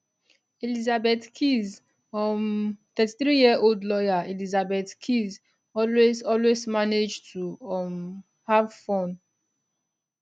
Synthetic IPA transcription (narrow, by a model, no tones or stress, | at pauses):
elizabetkʰiz | ɔmt̪ɛti̥θɹijiəoldlɔjaelizabetkʰiz | ɔlwezɔlwezmaned͡ʒtuɔm | havfɔ̃n